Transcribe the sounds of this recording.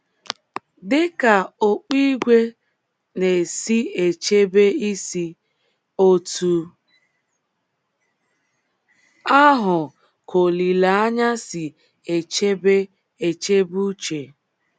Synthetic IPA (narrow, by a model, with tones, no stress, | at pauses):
dɪ˦ka˨o˦k͡pi˦ɡʷe˦ | ne˨si˦e˨t͡ʃe˦be˦i˦si˦ | o˦tu˦ | a˦ɦʊ˨ | kʰo˨li˨la˨˦a˦ɲa˦si˨ | e˨t͡ʃe˦be˦ | e˨t͡ʃe˦bu˦t͡ʃe˨